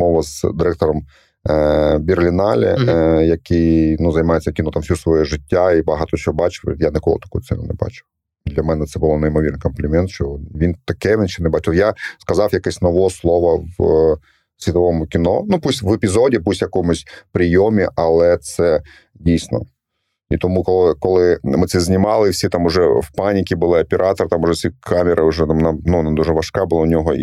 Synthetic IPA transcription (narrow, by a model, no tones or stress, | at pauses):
mɔʋɐzd̪ɪɾɛk̚t̪ɔɾɔm | bʲirlʲinɑlʲɛ̰jɐkɪjnuzɐjmɑjet͡sʲːɐkʲinɔt̪amfsʲusʋɔjɛʒɪtʲːaibɐɦɑt̪ɔt͡ʃɔbɑt͡ʃɪ̥wjanɪkɔ̰lˠɪt̪ɐ̥kṵjʊt̪sɛ̰nʊ̰nɛ̰bɑ̰t͡ʃɪ̥w | d̪lʲɐmɛnɛt̪sɛbʊlˠɔnɐjimɔʋʲirnɪjkɔmplʲɪmʲɛnt̪ʃt͡ʃɔʋʲint̪ɐkɛʋʲint͡ʃɛnɛbɑt͡ʃɪjaskɐzɑwjɐkɛsʲnɔʋɔslˠɔʋɐw | sʲʋʲit̪ɐʋɔmʊkʲɪnɔnupusʲʋɛpʲɪzodʲɪp̬usʲjɐkɔmʊsʲpɾʲɪjomʲɪʔɐlˠɛt̪sɛ | dʲijsʲnɔ̰ | it̪ɔmukɔlˠkɔlˠɪmɪt̪sɛzʲnʲɪmɑlˠɪwfsʲit̪amʊʐɛwpanʲɪkʲɪbɨlˠɪɐpʲɪɾʔɑt̪ɐɾt̪amʊʐɛsʲikʰamʲɪɾʔɐʊʐɛmnanuɐnad̪uʐɛʋɐʂkabɨlˠaʊnʲɔɦɔ̰